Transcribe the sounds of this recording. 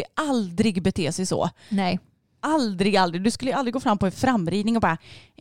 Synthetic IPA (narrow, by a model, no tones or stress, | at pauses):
ʔald̪ɾɪɡbɛt̪ʰeːsɛjsɔ̰ː | nɛ | ald̪ɾɪɡald̪ɾɪɡd̪ɵskɵləjʏald̪ɾɪɡoːfɾamːpʰɔɛnfɾamːɾiːd̪nɪŋɔbɑːɾa